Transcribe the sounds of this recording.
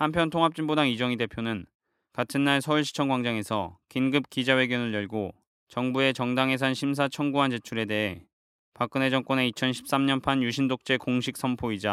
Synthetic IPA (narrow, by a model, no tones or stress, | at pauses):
hampʰjʌntʰoŋɦap̚t͡ɕ͈inbodaŋid͡ʑʌŋide̞pʰjonɯn | katʰɯnːaɭsʰʌuɭɕʰi̥t͡ɕʰʌŋɡwaŋd͡ʑaŋe̞sʰʌ̰kinɡɯp̚k͈id͡ʑawe̞ɡjʌnɯɭjʌɭɡo | t͡ɕʌŋbue̞t͡ɕʌŋdaŋɦe̞s̬ʰanɕʰims̬ʰat͡ɕʰʌŋɡuɦand͡ʑe̞t͡ɕʰuɾe̞de̞ɦe̞ | pak͈̚ɯne̞d͡ʑʌŋk͈ʌne̞it͡ɕʰʌnɕʰi̥p̚s͈amɲʌnpʰanjuɕʰindok̚t͡ɕ͈e̞koŋɕʰik̚s͈ʰʌmpʰoid͡ʑa